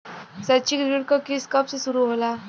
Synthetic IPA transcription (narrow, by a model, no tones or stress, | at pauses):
sat͡ɕikdiɽkɔkiskəpssuɾuɦola